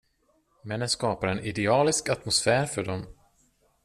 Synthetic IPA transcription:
mɛnːənskɑːpaɾɛnɪd̪ɛɑːlɪskat̪mʊsfæːɾfœɖɔm

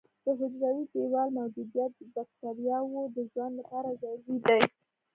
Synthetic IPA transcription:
d̪̥əɦɪd͡ʒɾawibewɑlmawd͡ʒud̪ijat̪̚b̪akt̪aɾjɑwod̪əʒwand̪haɾazajɡid̪aj

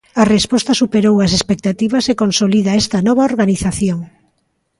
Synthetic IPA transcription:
ɐrespɔst̪ɐsupeɾowɐsespek̚t̪at̪iβɐsekonsoliðaɛst̪ɐnɔβaoɾɣaniθaθjoŋ

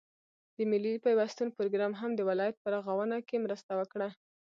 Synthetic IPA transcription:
d̪̥əmɪlipajwast̪ənpoɾoɡɾɑmɦamd̪əwɪlɑjat̪̚pəɾaɣawənakemɾəst̪awəkɽa

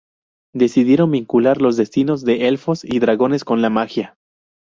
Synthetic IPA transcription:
d̪e̞siðje̞ɾo̞mbiŋkulaɾlo̞zðe̞st̪ino̞zðe̞ʔelfo̞siðɾaɣo̞ne̞sko̞nlamaxja

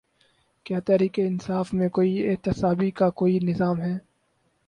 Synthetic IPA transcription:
kjaːt̪ɛːɾiːkeɪnsaːfmẽkoːiɪɦt̪ɪsaːbikakoːinɪzaːmɦɛː

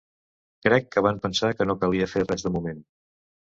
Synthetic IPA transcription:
kɾɛkːəβampənsakənokəliəferɛzðəmumen

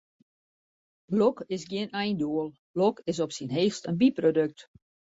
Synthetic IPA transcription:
lɔkɪsɡjiənɛjnduəlˠ | lɔkɪs̬ɔpsinɦeːxstənbiprodøk̚t

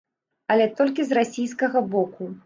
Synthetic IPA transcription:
ɐlʲɛt̪ɔlʲkʲizrasʲijskɐɣɐbɔku

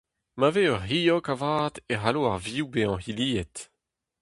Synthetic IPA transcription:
maveœʁhiːɔkavaːt̪eɦaloaʁviubeɑ̃hiliːɛt̪

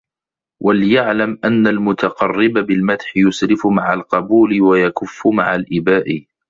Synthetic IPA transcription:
wʔaljaʕlamʔanːalmʊt̪ɑqɑrːɪbabɪlmat̪ħɪjʊsɾɪfmaʕalqɑbuːlɪwajakʊfːʊmaʕalʔɪbaːʔɪ

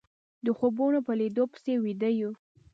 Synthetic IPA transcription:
d̪əxobunopəlid̪opə̥sewid̪əju

